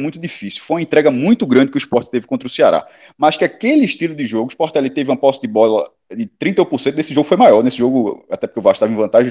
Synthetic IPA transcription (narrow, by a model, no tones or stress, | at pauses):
mũj̃t̪ʊd̪ifisiuwfojũɐ̃ẽnt̪ɾɛɡɐmũj̃t̪ʊɡɾɐ̃d̪ɪkʲɪuispɔɾt̪t̪evɪkõnt̪ɾʊseaɾa̰ | maʃkɪakelɪːʃt̪ilʊd̪ɪʒoɡʊiʃpɔɾt̪ɛlit̪evɪũmɐpɔsɐd̪ɪbɔlɐ | d̪ɪt̪ɾĩt̪ɐũpʊsẽt̪ʊnesɪʒoɡʊfojmajɔɾnesɪʒoɡʊa̰t̪ɛpokeuvaʃut̪avẽvɐ̃nt̪aʒẽ